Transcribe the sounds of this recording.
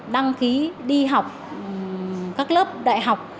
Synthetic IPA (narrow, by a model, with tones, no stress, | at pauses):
ɗa˧ŋki˨˦ɗi˧ɦa˨˩wk͡p̚ | kaː˦˥k̚ləː˦˥p̚ɗa̰ː˧˨jɦa˨˩wk͡p̚